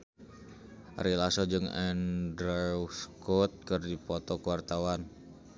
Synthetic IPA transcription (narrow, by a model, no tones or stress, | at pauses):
rilasɔd͡ʒɨŋɛ̰ndɾɛuskɔt̪̚kərdipɔt̪ɔkuwart̪awan